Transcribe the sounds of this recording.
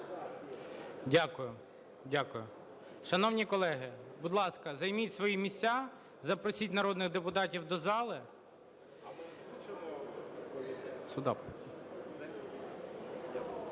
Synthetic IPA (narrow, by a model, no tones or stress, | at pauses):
dʲakʊjʊ | dʲakʊjʊ | ʃɐnɔwnʲikɔlˠɛɦɪbʊd̪lˠɑskɐzɐjmʲitʲsʋɔjimʲisʲt͡sʲa | zɐpɾɔsʲitʲnɐɾɔd̪nɪɣd̪epʊt̪ɑtʲiwd̪ɔzɑlˠɪ | sʊd̪ɑp